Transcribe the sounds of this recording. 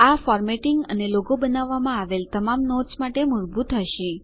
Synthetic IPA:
afɔɾmeʈiŋɡə̰neloɡobənaʋːamãaʋelt̪əmamnɔsmaʈemʊɾbut̪ːəʃĩ

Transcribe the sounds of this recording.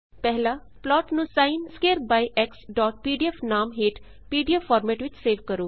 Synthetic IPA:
pɛɦlaː | plɔːʈnũːsaːɪnskeːɾd̪̚baːiʔɛksɖɔːʈ̚piːɖiɛfnaːmɦeːʈ | piːɖiəfʰɔːɾmɛːʈʋɪt͡ʃseːʋkəɾoː

